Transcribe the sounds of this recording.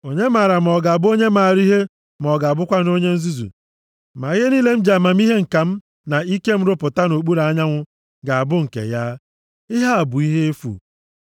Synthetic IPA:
o˨ɲe˦ma˨ɾa˨m̩˨ɔ˨ɡa˨bʊ˦o˦ɲe˦ma˨ɾi˦ɦe˦ | m˨ɔ˨ɡa˨bʊ˦kʷa˦no˦ɲe˦n̩˦zu˦zṵ˨ | ma˨i˦ɦe˦ni˦le˦m̩˦d͡ʒa˨ma˨m̩˦i˦ɦe˦ŋ̩˨ka˨m̩˦ | na˨i˦ke˦m̩˦ɾʊ˦pʊ˨ta˦no˨k͡pu˦ɾa˨˦ɲa˦ŋʷʊ˦ | ɡa˨a˨bʊ˦ŋ̩˨kḛ˨ja˦ | ɪ˦ɦa˦a˨bʊ˨i˦ɦe˦e˦fṵ˨

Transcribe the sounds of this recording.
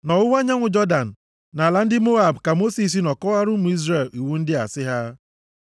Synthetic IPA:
nɔ˨ʊ˦wa˦ɲa˦ŋʷʊ˨d͡ʒɔ˦da˨n̩˨ | na˨la˦n̩˦dɪ˦mo˦a˨bka˨mo˦si˨s̬i˦nɔ˨kɔ˦a˦ɾʊ˦mu˨i˦zre˨li˨wu˦n̩˦dɪ˦a̰˨sɪ˦ɦa˦

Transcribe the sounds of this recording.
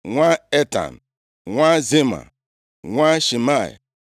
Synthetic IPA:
ŋʷa˦e˦ta̰˨n̩˨ | ŋʷa˦zi˦ma̰˨ | ŋʷa˦ʃi˨ma˦˨ḭ˨

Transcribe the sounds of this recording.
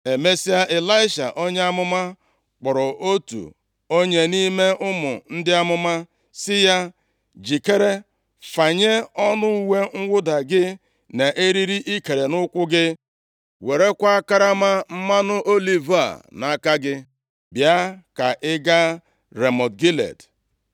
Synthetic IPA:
e˨me˦si˦a˦ʔe˨la˦ɪ˦ʃa̰˨ʔo˦ɲe˦a˦mʊ˦ma˦ | k͡pʊ˨ɾɔ˨ʔo˦tṵ˨ | o˦ɲe˦ni˦me˦ʔʊ˦mʊ̰˨n̩˦dɪ˦a˦mʊ˦ma˦ | sɪ˦ja˦ | d͡ʒi˨ke˦ɾe˦ | fa˨ɲe˦ɔ˦nʊ˦u˦we˦ŋ̩˦wʷʊ˦da˨ɡɪ˦ | ne˨ʔe˦ɾi˦ɾi˦ʔi˦ke˨ɾe˨nʊ˦kʷʊ˦ɡɪ˦ | we˨ɾe˦kʷa˦ka˦ɾa˦ma˦m̩˦ma˦nʊ˦ʔo˦li˨va̰˨na˨ka˦ɡɪ˦ | bja˦ka˨ʔɪ˦ɡa˦ | ɾe˨mɔ˨dɡi˦lḛ˨d

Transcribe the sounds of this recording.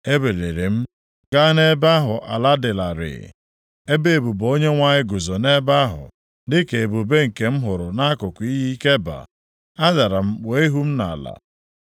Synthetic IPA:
e˦be˨le˨ɾe˨m̩˦ | ɡ̥a˦ne˦ba˦ɦʊ˨ʔa̰˨la˦dɪ˨la˨ɾɪ̰˨ | e˦be˦e˨bu˨bo˦ɲe˦ŋʷa˦ɲɪ˦ɡʊ˨zɔ˨ne˦ba˦ɦʊ̰˨ | dɪ˦ke˨e˨bu˨be˦ŋ̩˨ke˨m̩˦ɦʊ˨ɾʊ˨na˦a˦kʊ˨kʷi˦ɦi˦ke˦ba̰˨ | a˦za˨ɾa˨m̩˦k͡pe˨˦e˦ɦu˦m̩˦na˨la̰˨

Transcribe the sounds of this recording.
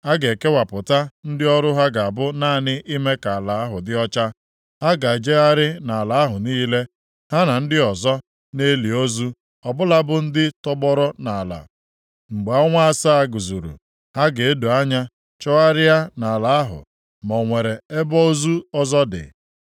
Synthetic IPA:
a˦ɡe˨ke˦wa˨pʊ˨ta˦n̩˦dɪ˦ɔ˦ɾʊ˦ɦa˦ɡa˨a˨bʊ˦naː˦˨nɪ˦ʔi˦me˦ka˨a˨la˨a˦ɦʊ˨dɪ˦ɔ˦t͡ʃa˦ | ha˦ɡa˨d͡ʒe˦a˦ɾɪ˦na˨a˨la˨a˦ɦʊ˨niː˦le˦ | ha˦na˨n̩˦dɪ˦ɔ˨zɔ˦ | ne˦li˨o˦zu˦ | ɔ˨bʊ˦la˦bʊ˦n̩˦dɪ˦tɔ˦ɡ͡bɔ˦ɾɔ˦na˨a˨la̰˨ | ŋ͡m̩˨ɡ͡be˨ɔ˦ŋʷa˦a˦sa˦a˦ɡu˨zu˨ɾṵ˨ | ha˦ɡe˨e˦du˨a˦ɲa˦ | t͡ʃɔ˦a˦ɾɪ˦ja˦na˨la˨a˦ɦʊ̰˨ | mɔ˨ŋʷe˨ɾe˨e˦bɔ˦o˦zu˦ɔ˦zɔ˦dɪ̰˨

